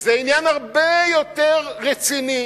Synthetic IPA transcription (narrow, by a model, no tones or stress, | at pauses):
zeinjanhaʁbejot̪eʁːet͡sini